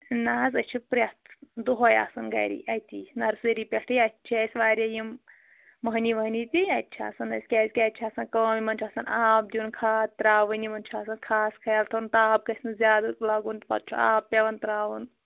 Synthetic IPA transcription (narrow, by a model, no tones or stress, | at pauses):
naːzɐt͡ʃʰipɾɐt̪d̪uɦoja̰ːsɐnɡɐ̰ɾḭʔɐt̪inɐɾsɐɾipʲeʈʰɨjɐt͡ʃʰiɐsʋaːɾjɐjimː | ɐɦniʋɐɦnit̪iɐt̪ːt͡ʃʰia̰ːsɐnɐsʲkʲɐːzʲkʲaːt̪t͡ʃʰiaːsɐnkɐɐmimɐnt͡ʃʰaːsɐnaːp̚d̪ʲiunkʰaːt̪ɾaːʋɐnimɐnt͡ʃʰuaːsɐnkʰaːskʰɐjalt̪ʰɐnt̪aːp̚kɐsʲnɨzʲjaːd̪ɐklɐɡunt̪pɐ̰t̪̚t͡ʃʰṵa̰ːppːʲeʋɐnt̪ɾaːʋun